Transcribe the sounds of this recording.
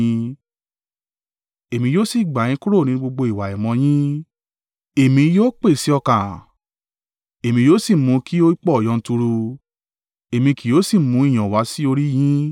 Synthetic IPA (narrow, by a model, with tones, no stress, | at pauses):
ĩ˦ | e˨mĩ˧joː˦si˦˨ɡ͡ba˨j̃ĩ˦ku˦ɾo˦˨nĩ˨˦ɡ͡bo˧ɡ͡bo˧i˨wa˨ɛ˨mɔ̃˧˦j̃ĩ˦ | e˨mĩ˧joː˦k͡pe˦˨si˨˦ɔ˧kã˨ | e˨mĩ˧joː˦si˦˨mũ˧˦kʰi˦o˦i˦k͡pɔ˦ɔ˨jɔ̃˨˧n̩˧tu˧ɾu˧ | e˨mĩ˧ki˨joː˨˦si˦˨mũ˨˧˦i˦˨j̃ɔ̃˨wa˨˦si˦o˧ɾi˦j̃ĩ˦